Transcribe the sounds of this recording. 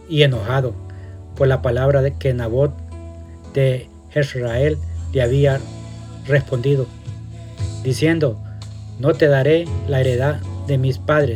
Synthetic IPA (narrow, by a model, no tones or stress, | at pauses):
ienoxaðopoɾlapalaβɾaðekenaβot̪̚ | d̪e | xesɾaelːeaβia | respond̪iðo | d̪isjend̪onot̪eðaɾelaeɾeðad̪emispaðɾes